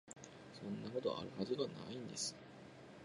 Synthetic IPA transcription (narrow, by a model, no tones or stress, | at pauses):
sõ̞nːako̞t̪o̞̰ʔa̰ɾɯ̟hazɨɡ̪ana̰ĩnd̪e̞sɨ̥